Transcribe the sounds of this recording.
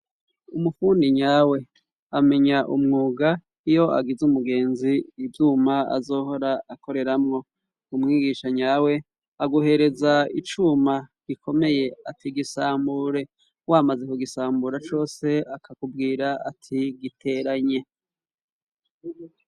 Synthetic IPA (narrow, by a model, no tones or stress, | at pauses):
umufuːndiɲaːwe̞ | ame̞ɲaʔumŋuːɡa | ijo̞ʔa̰ɡizumuɡe̞ːnziːbjuːmaa̰zo̞ːho̞ɾaako̞ɾe̞ɾamŋo̞ | umŋiːɡiʃaɲaːwe̞ | aɡuhe̞ɾe̞zait͡ʃumaɡ̥ikʰo̞me̞je̞atʰiɡisaːmbuɾe̞ | waːmaze̞kuɡisaːmbuɾat͡ʃo̞ːse̞akakubɡiːɾaa̰tʰiɡitʰe̞ɾaɲe̞